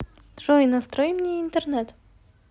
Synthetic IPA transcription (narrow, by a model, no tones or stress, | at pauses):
ʐoinɐst̪ɾojmnʲeint̪ernɛt̪